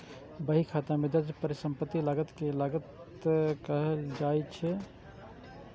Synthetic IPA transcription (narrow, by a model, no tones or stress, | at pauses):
bəɦikʰat̪amed̪əɾd͡ʒpəɾisəmpət̪ːilaɡət̪kelaɡət̪ | kəɦəld͡ʒajt͡ʃʰɛ